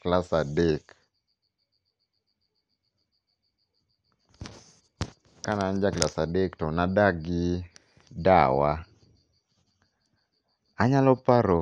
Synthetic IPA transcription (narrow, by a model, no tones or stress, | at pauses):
klasadek | kanaːnd͡ʒaklasadektɔnadaɡɪ | dawa | aɲalɔpaɾo